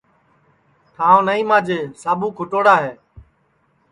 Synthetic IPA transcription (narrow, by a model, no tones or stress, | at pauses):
t̪ʰaːõːnəĩːmãːd͡ʒeːsaːbuːkʰʊʈoːɽaːɦeː